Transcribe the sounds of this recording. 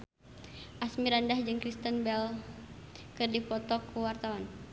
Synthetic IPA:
ʔasmiɾandahd͡ʒɨŋkɾist̪ənbɛl | kɨrdipɔt̪ɔkʰuwart̪awan

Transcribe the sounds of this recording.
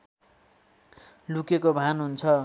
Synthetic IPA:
lukekobʱanɦunt͡sʰʌ

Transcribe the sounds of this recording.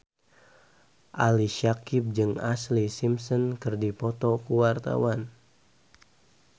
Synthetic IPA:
ʔaliʃakip̚d͡ʒɨŋa̰slisimsɔnkɨrdipɔt̪ɔkuwart̪a̰wan

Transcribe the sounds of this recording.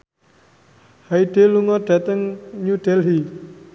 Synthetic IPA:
haiɖ̥e̤luŋɔɖ̥a̤t̪əŋɲuɖ̥ɛlɦi

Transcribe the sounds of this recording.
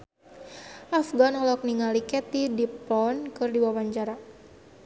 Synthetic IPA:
ʔafɡanɔlɔk̚niŋalikɛt̪idiplɔnkɨrdiwawaɲd͡ʒaɾa

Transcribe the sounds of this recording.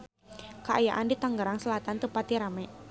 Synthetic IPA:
kəaja̰ʔandit̪aŋɡəɾaŋsəlat̪ant̪əpat̪iɾama

